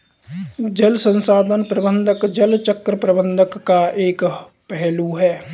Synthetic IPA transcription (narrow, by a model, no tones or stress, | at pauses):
d͡ʒəlsə̃nsaːd̪ʱənpɾəbə̃nd̪ʱəkd͡ʒəlt͡ʃəkɾəpɾəbə̃nd̪ʱəkːaʔeːk | pɛɦluɦɛː